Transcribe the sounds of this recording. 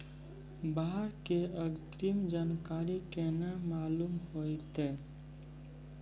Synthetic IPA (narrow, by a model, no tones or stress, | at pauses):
baɦəɾkeəɡt̪ɾimd͡ʒaːnkaːɾikenamaːluːmɦoit̪eː